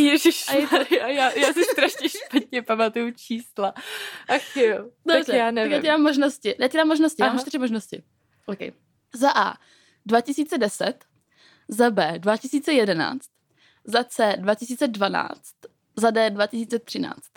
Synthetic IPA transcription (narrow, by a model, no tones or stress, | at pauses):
jɛʒɪʃajaajaːjaːsɪst̪ɾaʃɲɛʃpat̪ɲɛpamat̪ujut͡ʃiːslaʔaxɪodoabrɛjaːnɛakjaɛdaːmːoʒnoscɪjaːcɛdaːmːoʒnoscɪjamt͡ʃt̪ɪɾɪmoʒnoscɪ̰ | ʔokɛ̰j | zaʔa̰ː | dvacɪsiːt͡sɛdɛsɛt̪ | zabɛːdvacɪsiːt͡sɛjɛdɛna̰ːt͡st̪̚ | zat͡sɛːdvacɪsiːt͡sɛdvana̰ːt͡st̪ | zadɛːdvacɪsiːt͡sɛt̪r̝̥ɪna̰ːt͡st̪